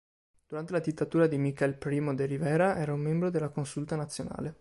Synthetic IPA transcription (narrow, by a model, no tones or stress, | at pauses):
d̪̥uɾant̪elad̪it̪ːat̪uːɾad̪imikɛlpɾiːmod̪eɾivɛːɾaʔɛːɾaumːembɾod̪elːakonsult̪anat̪sːjona̰ːle